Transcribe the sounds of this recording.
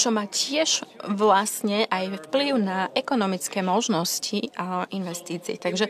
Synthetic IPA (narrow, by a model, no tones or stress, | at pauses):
t͡ʃɔmaːcɪɛʒ̥ʋlasɲɛʔajfpliʊnaʔɛkɔnɔmit͡skɛːmɔʒnɔscʰiaʔinʋɛst̪iːt͡siːt̪aɡʒɛ